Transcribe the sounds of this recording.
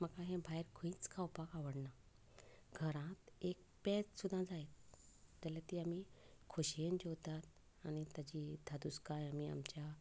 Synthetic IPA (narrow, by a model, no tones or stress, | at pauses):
məkaɦẽbʱajɾkʰĩːt͡skʰawpakaʋəɽna | ɡʱəɾãt̪ek̚ | pɛt͡ssud̪ʱãd͡zaet̪̚ | d͡zalat̪iamikʰoɕijend͡ʑowt̪at̪ | añit̪jad͡ʑid̪ʱad̪uskajamia̰mt͡ɕja